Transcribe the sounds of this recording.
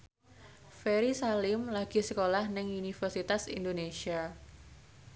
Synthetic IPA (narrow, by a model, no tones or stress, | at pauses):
feɾisalɪmlaɡ̥i̤səkolahnɪŋunifərsit̪asind̪onesia